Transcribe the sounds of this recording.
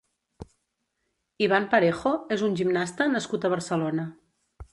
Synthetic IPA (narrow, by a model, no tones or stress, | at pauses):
iβ̞ampəɾexoezunʲʒimnast̪ənəskut̪əβ̞əɾsəlonə